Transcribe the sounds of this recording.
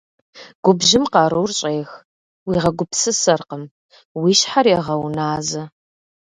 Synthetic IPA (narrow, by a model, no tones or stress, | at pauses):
ɡ̥ʷʊbʒɪmqɑːɾuːrɕʼeːx | wiːʁɐɡʷʊpʰsɨsɐrqəm | wiːɕħarjɛʁɐwnaːzɐ